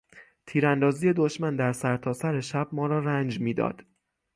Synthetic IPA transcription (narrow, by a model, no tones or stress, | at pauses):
t̪ʰiːɾænd̪ɒːzije̞d̪oʃmænd̪æɾsæɾt̪ʰɒːsæɾe̞ʃæb̥̚mɒːɾɒːɾænd͡ʒmiːd̪ɒ̰ːd̪̥